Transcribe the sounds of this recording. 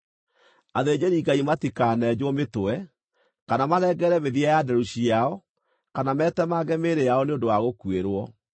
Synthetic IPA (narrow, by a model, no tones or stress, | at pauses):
aðed͡ʑeɾiːɡaimatikaːnɛd͡ʑwɔmetoɛ | kanamaðɛɡɛɾɛmeðiajadɛɾuɕiaɔ | kanamɛːtɛmaɡɛmeɾejaɔneondowaɣokueɾwɔ